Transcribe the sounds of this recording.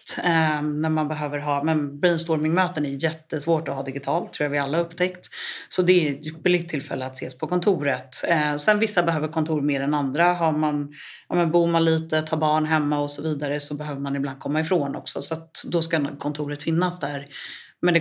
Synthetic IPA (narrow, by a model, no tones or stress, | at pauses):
t̪næɾmanbɛɦøːvəɾɦɑːmɛnbɾiːnst̪ɔɾmɪŋmøːt̪ənæjʏjɛt̪ːəsvoːʈɔɦɑːd̪ɪɡɪt̪ʰɑːlt̪ʰːɾuːjavɪalːaɵpːt̪ʰɛkt̪sɔd̪ɛbəlɪt̪ʰːɪlfɛ̰lːəat̪sḛːspʰɔkʰɔnt̪ʰuːɾət̪sɛnvɪsːabɛɦøːvəɾkʰɔnt̪ʰuːɾmeːɾɛnand̪ɾaɦaɾman | ɑ̰ːmɛnbuːɾmanliːt̪ət̪ʰɑːbɑːɳɦɛmːaɔsɔviːd̪aɾəsɔbɛɦøːvəɾmanɪbland̪̚kʰɔmːaɪfɾoːnɔ̰ksɔ̰sɔat̪d̪ɔskakʰɔnt̪ʰuːɾət̪fɪnːasd̪æɾ | mɛnd̪ɛ